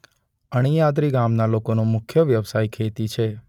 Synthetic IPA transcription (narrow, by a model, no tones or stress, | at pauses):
əɽ̃ijad̪ɾiɡamnalokonomʊkʰjəʋjəʋsajkʰet̪it͡ʃʰe